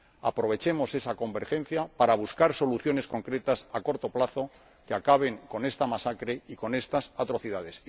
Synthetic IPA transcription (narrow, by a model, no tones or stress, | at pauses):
apɾo̞β̞e̞t͡ʃe̞mo̞se̞sako̞mbe̞ɾxẽ̞n̟θjapaɾaβ̞uskaɾso̞luθjo̞ne̞sko̞ŋkɾe̞t̪asako̞ɾt̪o̞plaθo̞ | keakaβ̞e̞ŋko̞ne̞st̪amasakɾe̞iko̞ne̞st̪asat̪ɾo̞θiðað̞e̞s